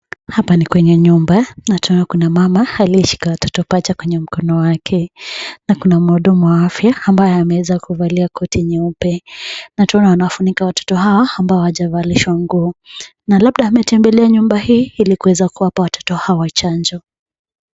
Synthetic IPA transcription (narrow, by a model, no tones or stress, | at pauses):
hapanikwɛɲɛɲumbanataɔnakunamamahaliʃi̥kawatʰɔtɔpat͡ʃakwɛɲɛm̩kɔnɔwakʰɛnakunamuɗumuwaafjaːmbajɛamɛwɛzakuvaliakʰɔtiɲɛupɛnataɔnawanawafunikawatɔ̥tɔɦawaambaɔwaʄavaliʃwaŋɡuː | nalabɗaːmɛtɛmbɛlɛaɲumbahiːilikuwɛzakuwapawatʰɔ̥tɔhawat͡ʃand͡ʒɔ